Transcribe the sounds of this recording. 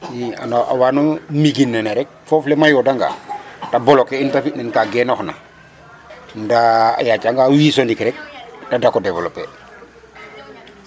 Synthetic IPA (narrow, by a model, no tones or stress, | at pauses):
jia̰na̰wanomiɡinːɛnɛɾɛk̚fɔflɛmajɔdaŋɡa̰tabɔlɔkɛintafitnɛnkaɡɛnɔxna̰ | nda̰jat͡ʃaŋɡawisɔndikɾɛk̚tadakɔdɛvɔlɔpːɛ